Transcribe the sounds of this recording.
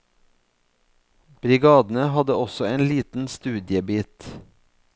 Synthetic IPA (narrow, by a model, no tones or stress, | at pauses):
b̥ɾɪɡɑːd̪n̩əhɑd̪əɔsɔeːnliːt̪n̩st̪ʉːd̪jəbiːt̪